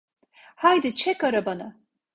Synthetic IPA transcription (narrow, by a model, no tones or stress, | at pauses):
hajd̪ɯt͡ʃʰɛkaɾabana